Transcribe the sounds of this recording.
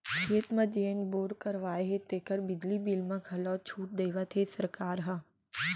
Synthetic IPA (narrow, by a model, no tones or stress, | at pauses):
ʃʰeːt̪mɐ̃d͡ʒeːənboːɾkəɾʋaːeɦet̪eːkəɾbɪd͡ʒlibilmãkʰɐlɔːt͡ʃʰuːʈ̚d̪eːʋat̪ʰesɐɾkaːɾɦɐ